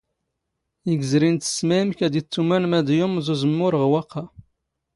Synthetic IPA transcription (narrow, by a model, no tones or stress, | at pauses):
iɡzɾint̪ə̥smæəmkæd̪it͡sːumænmæd̪jʊmzuzəmːʊɾəʁwɑqʰːɑ